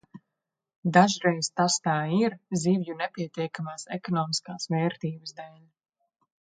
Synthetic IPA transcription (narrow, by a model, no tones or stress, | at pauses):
d̪aʒɾɛjz̥t̪ast̪aːiɾzivjunɛpʲiɛt̪ʲiɛkamaːsɛkɔnɔːmiskaːsvɛːɾt̪iːbəsd̪ɛl